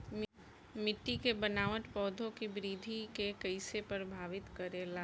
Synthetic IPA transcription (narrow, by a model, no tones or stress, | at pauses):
m | mɪʈːikebɐnaːʋəʈ̪pɔːd̪ʱõkibɾiːd̪ʱikekɐɪsepəɾbʱaːʋɪt̪kɐɾelaː